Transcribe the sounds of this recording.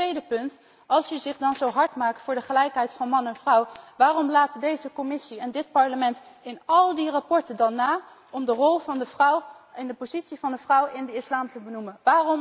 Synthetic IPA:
tʋejdəpɵnt | ɑlˠsyzɪχdɑnzowɦɑɹtmaːk̚tfʊːɹdəχəlɛjkɦɛjtfɑnmɑnɛnvrʌwʋaːrɔmlaːtədejzəkɔmɪsiɛndɪt̚pɑɹləmɛntɪnɑlˠdirɑpɔɹtəndɑnaː | ɔmdərɔlˠəwɪndəpozitsivɑndəvrʌwɪndəɪslaːmtəbənumənʋaːrɔm

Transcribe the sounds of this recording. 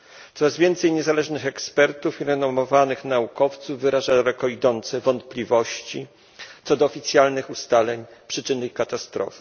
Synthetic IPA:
t̪ɔɾazvʲjɛnt̪sɛjɲɛzalɛʐnɘxɛkspɛɾt̪ufiɾɛnɔmɔvanɘxnaukɔft̪suvːɘɾaʐad̪aɾɛkɔid̪ɔnt̪sɛvɔnt̪̚plʲivɔɕt͡ɕi | t̪sɔd̪ɔːfʲit̪sʲjalnɘxust̪alɛɲpʂɘt͡ʂɘnɘikat̪ast̪ɾɔ̰fɘ̥

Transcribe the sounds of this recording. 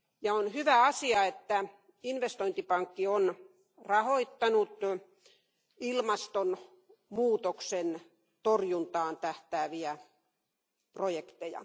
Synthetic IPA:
jɑonhyʋæɑsiɑet̪ːæ | inʋest̪oint̪ipɑŋkːion | rɑhoit̪ːɑnut̪ | ilmɑst̪on | muːt̪oksen | t̪orjunt̪ɑːnt̪æht̪æːʋiæ | projekt̪ejɑ̰

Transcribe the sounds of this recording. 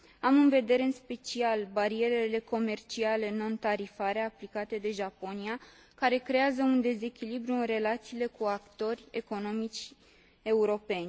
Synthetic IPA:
amɨnve̞d̪e̞ɾe̞ɨnspe̞t͡ʃialbaɾie̞ɾeile̞ko̞me̞rt͡ʃiale̞no̞nt̪aɾifaɾe̞aplikat̪e̞d̪e̞ʒapo̞nia | kaɾe̞kɾe̞azəund̪e̞ze̞kʲilibɾuɨnre̞lat̪siːle̞kuakt̪o̞rʲe̞ko̞no̞mit͡ʃʲ | e̞uɾo̞pe̞nʲ

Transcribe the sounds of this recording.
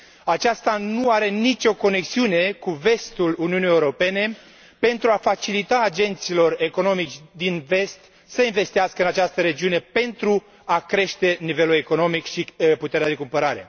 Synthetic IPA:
at͡ʃast̪anuaɾe̞nit͡ʃʲo̞ko̞ne̞ksiune̞kuve̞st̪uluniunije̞uɾo̞pe̞ne̞ | pe̞nt̪ɾuafat͡ʃilit̪aːd͡ʒe̞nt̪silo̞re̞ko̞no̞mit͡ʃʲd̪inve̞st̪ | səinve̞st̪iaskəɨnat͡ʃast̪əɾe̞d͡ʒiune̞pe̞nt̪ɾu | akɾe̞ʃt̪e̞nive̞lule̞ko̞no̞mikʃiput̪e̞ɾead̪ekumpəɾaɾe̞̰

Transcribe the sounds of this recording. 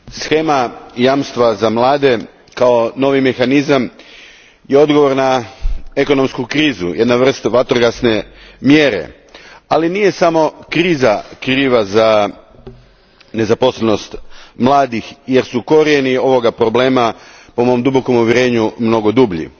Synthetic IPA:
sxe̞ːmajamst̪ʋazamlˠaːd̪e̞ | kao̞no̞ʋime̞xanizam | jeo̞d̪ɡo̞ʋo̞ɾnaeko̞no̞mskukɾiːzṵjʔed̪naʋr̩st̪ʋat̪oɾɡasnemje̞ɾḛ | alinije̞samo̞kɾiːzakɾiːʋaza | ne̞zaposleno̞st̪mlˠaːd̪ixje̞ɾsuko̞ɾienio̞ʋo̞ɡapɾo̞ble̞ːmapo̞mo̞md̪ubo̞ko̞muʋʲjeɾe̞ːɲumno̞ɡo̞d̪ubʎḭ

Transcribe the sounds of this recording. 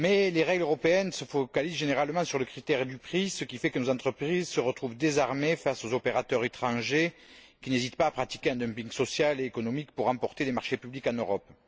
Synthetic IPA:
mɛleʁɛɡløʁɔpeɛnsəfɔkalizʒeneʁalmɑ̃syʁləkχit̪ɛʁd̪ypχisəkʲifɛkənozɑ̃t̪χəpχizsəʁət̪χuvd̪ezaʁmefasozɔpeʁat̪œʁet̪χɑ̃ʒekʲinezit̪paːpχat̪i̥keɛ̃nd̪œmpĩŋɡsɔsjaleːkɔnɔmikpuʁːɑ̃pɔʁt̪ed̪emaʁʃepyblikɑ̃nøʁɔp

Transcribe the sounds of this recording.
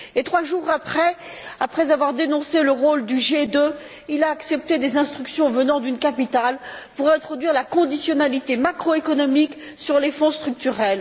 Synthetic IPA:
et̪χwaʒuʁapχɛ | apχɛzavwaʁd̪enɔ̃seləʁold̪yʒed̪ø | ilaːksɛp̚t̪ed̪ezɛ̃st̪χyksjɔ̃vənɑ̃d̪ynkapit̪alpuʁɛ̃t̪χɔd̪ɥiʁlakɔ̃d̪isjɔnalit̪emakχɔekɔnɔmik | syʁlefɔ̃st̪χyk̚t̪yʁɛl

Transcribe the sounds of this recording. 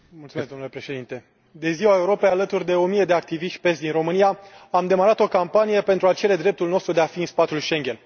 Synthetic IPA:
mult̪sumesd̪o̞mnulepɾe̞ʃe̞d̪int̪e̞ | d̪e̞ziwae̞uɾo̞pejalət̪urʲd̪e̞o̞mije̞d̪eak̚t̪iviʃt̪ʲpe̞sʲd̪inro̞mɨnijaamd̪e̞maɾat̪o̞kampanije̞pe̞nt̪ɾuat͡ʃe̞ɾe̞d̪ɾe̞p̚t̪ulnost̪ɾud̪e̞afiɨnspat̪ulʃe̞ŋɡʲe̞n

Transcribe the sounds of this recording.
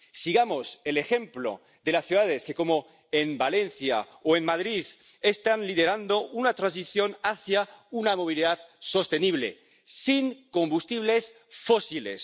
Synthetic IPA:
siɣamosele̞xe̞mplo̰ | ðe̞lasθjuðaðeske̞ko̞mo | embale̞n̟θja̰ | oenmaðɾið | est̪anliðeɾand̪ounat̪ɾansiθjo̞naθjaunamo̞β̞iliðaðso̞st̪e̞niβ̞lḛ | siŋko̞mbust̪iβ̞les | fosilḛs

